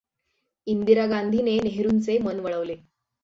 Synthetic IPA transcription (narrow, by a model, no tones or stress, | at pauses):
ind̪iɾaɡand̪ʱineneɦɾuːnt͡semənʋəɭəʋle